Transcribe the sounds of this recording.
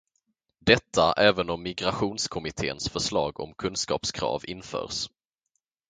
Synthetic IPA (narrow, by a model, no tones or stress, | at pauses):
d̪ɛt̪ʰːaʔɛːvənɔmːɪɡɾaɧuːnskʰɔmɪt̪ʰḛːənsfœʂlɑːɡɔ̰mkʰɵnskɑ̰ːpskʰɾɑ̰ːvɪnːfœ̰ːɾs